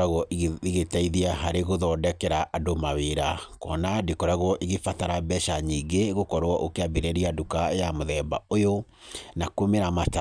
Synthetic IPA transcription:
aɣɔʔiɣetaiðiaɦaɾeɣoðɔdɛkɛɾaʔːdomaweɾakɔnadekɔɾaɣɔʔiɣefataɾabɛʃaɲiɡeɣokɔɾwɔʔokeabeɾɛɾiadukajamoðɛbaojo | nakomeɾamata

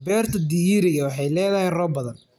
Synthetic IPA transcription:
bɛːrt̪ʰɐd̪ijɪɾɪɣɐwɑħɑjlɛːðɐhɛjrɔːbɐðɐn

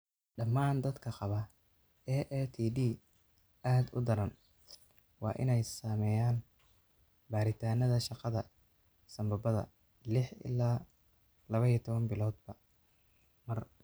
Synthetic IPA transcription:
ɖɐmːaːnd̪ɐd̪kʰɐqɑβɐ | ɛʔɛːt̪ʰiːdiː | aːd̪ʊ̰d̪ɐɾɐn | wɑ̰ːʔɪ̰nɛjsaːmɛːjaːn | baːɾɪt̪ʰaːnɐðɐʃɑqɑðɐ | sɐmbɐbɐðɐ̰ | lɪħɪ̰laː | lɐβɐijɐt̪ʰɔβɐnbɪlɔːd̪̚bɐ | mɐr

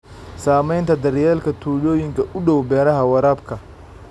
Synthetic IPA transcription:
saːmɛjnt̪ʰɐd̪ɐrjɛːlkʰɐt̪ʰuːlɔːjɪŋkʰɐʔʊɗɔwbɛːɾɐɦɐwɐɾaːbkʰɐ

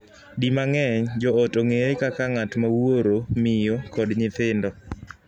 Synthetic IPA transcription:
dimaŋɛɲd͡ʒɔɔtoŋeɾekakaŋatmawoɾomɪjokɔdɲɪt̪ɪndɔ

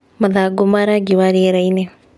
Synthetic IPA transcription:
mɐd̪aːɡʊmaːɾaɡiʋaːɾieɾɐjne

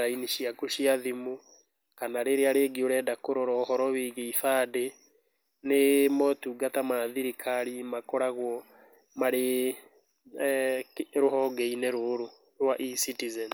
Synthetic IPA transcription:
ɾainiʃiakoʃiaðimu | kanaɾeɾeaɾeɡioɾɛdakoɾɔɾɔːhɔɾɔβiɣeifade | nemɔtuɡatamaðiɾikʰaɾimakɔɾaɣwɔ | maɾe | ɾoɦɔɡeinɛɾoɾo | ɾwaʔisitizɛn

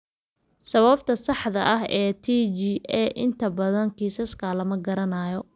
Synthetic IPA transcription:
sɐβɐb̚t̪ʰɐsɑħðɐ̰ʔɐɦɛːt̪ʰiːt͡ʃiɛːʔɪnt̪ʰɐbɐðɐŋkʰiːsɐskʰɐlɐmɐɡɐɾɐnaːjɔ

